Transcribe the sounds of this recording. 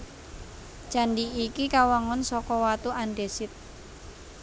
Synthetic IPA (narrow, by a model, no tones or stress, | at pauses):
d͡ʒ̥a̤ndiikikawaŋɔnsɔkɔwat̪uʔanɖesɪt̪̚